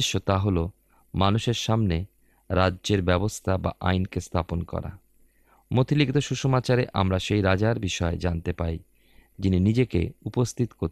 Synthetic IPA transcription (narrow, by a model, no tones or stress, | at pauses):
ʃːot̪aɦolo | manuʃeɾʃamne | ɾadːʑeɾbɛbost̪ʰaba̰ʔa̰jnkest̪ʰaponkɔ̰ɾa̰ | mot̪ʰiliɡit̪oʃuʃomat͡ɕaɾeʔa̰mɾaʃejɾad͡ʑaɾbiʃɔed͡ʑant̪epaj | d͡ʑininid͡ʑekḛupost̪ʰit̪ko